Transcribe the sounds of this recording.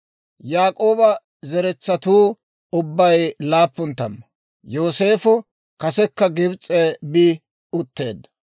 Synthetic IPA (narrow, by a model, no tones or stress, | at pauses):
jaːkʼo̞ːbɐ | zɛɾɛt͡sːɐt̪uː | ʊbːɐjlaːpːʊnt̪ːɐ̰mːɐ | joːse̞ːfʊ | kɐsɛkːɐɡɪbt͡sʼːebiː | ʊt̪ːe̞̰ːd̪ɐ